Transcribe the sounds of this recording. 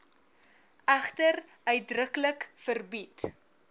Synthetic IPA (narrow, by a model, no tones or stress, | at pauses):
ʔæχtər | œɥt̚drəkələkfərbit